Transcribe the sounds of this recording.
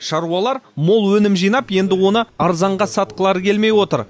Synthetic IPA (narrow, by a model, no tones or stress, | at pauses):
ʃɑɾuɑlˠɑɾmo̞lˠwɵnɪmʒijnɑpje̞nd̪ɪwo̞nəɑɾzɑɴʁɑsɑt̪qəlˠɑɾkʲʰe̞lme̞jwo̞t̪əɾ